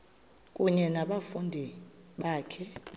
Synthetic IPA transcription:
kʼuɲɛnaɓafundʱi | ɓaːkʰɛ

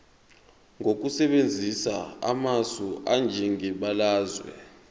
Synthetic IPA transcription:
ŋok̬usɛɓend͡zʱisa̰a̰masuʔand͡ʒʱiŋiɓalaːzwɛ̰

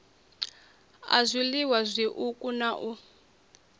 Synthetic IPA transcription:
a̰zʷiliwazʷiʔukʼunaʔu

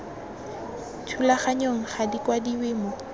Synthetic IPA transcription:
tʰulaχaɲoŋ̩χadikwadiwɪːmɔ

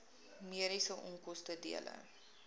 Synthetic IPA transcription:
miəɾisəʔɔŋkɔstədḭələ̰

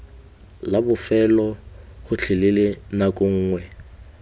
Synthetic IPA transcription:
labʊfɛlɔχʊt͡ɬʰɪlɪlɪnakʼʊŋ̩ːŋwɛ

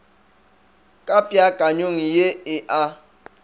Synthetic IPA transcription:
kʼapʼjakʼaɲoŋ̩jeɪʔa

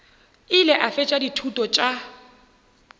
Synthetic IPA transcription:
ɪlɛʔafɛt͡ʃʼaditʰutʼɔt͡ʃʼa

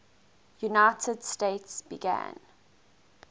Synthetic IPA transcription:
junaɪtʰədsteɪtsb̥iɡæ̰̃n

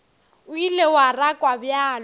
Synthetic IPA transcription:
ʊilewarakʼwabjaːl

